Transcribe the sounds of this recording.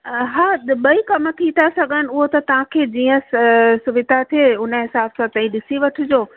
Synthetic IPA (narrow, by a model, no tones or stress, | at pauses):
ɦaːɓɐikɐmə̆k̪ʰiːt̪ʰasɐɠʱənɪ̆ʊɦot̪ɐt̪ɐʋ̤ãkʰeːd͡ʑiːə̃ssʊʋɪd̪ʱat̪ʰieʊnəɦɪsaːbsãt̪ɐ̃ĩɗɪsiʋɐʈʰɪ̆d͡ʑoː